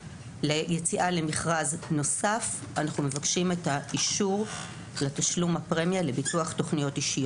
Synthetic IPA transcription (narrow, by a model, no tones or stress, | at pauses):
lejet͡siʔale̞miχʁazno̞saf | anaχnume̞vakʃime̞taiʃuʁ | lataʃlumhapʁemjale̞bituaχto̞χnijo̞tiʃijo